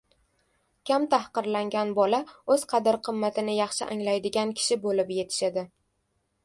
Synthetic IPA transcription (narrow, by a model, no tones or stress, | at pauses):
kʲamt̪ʰahqɨɾlaŋɡʲanbɒlaɵz̥qʰɑd̪ɪɾqʰɨmːat̪ʰɪnɪjɑχʃɪ̰ʔaŋlajd̪ɪɡʲankʲʰɪ̥ʃɪbolɪpje̞t̪ʰɪ̥ʃad̪ɪ